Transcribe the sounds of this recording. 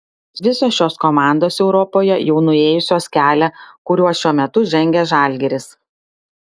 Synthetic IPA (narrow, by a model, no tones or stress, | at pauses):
ʋʲɪsoːsʃʲoːskɔmɑˑnd̪oːsɛʊɾɔpoːjɛjɛʊnʊeːjʊsʲoːskʲæːlʲɛkʊɾʲuɔsʃʲuɔmʲɛt̪ʊʒʲɛŋʲɡʲɛʒɑˑlʲɡʲɛɾʲɪs